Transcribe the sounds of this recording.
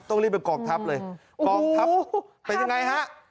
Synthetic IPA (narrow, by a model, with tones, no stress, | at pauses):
t̪ɔ˥˩ŋli˥˩pːa˧˩kɔː˨˩ŋ̚t̪ʰa˦˥p̚lɤː˧j | kɔː˨˩a˦˥pa˧nja˧ŋa˧jɦa˦˥ʔ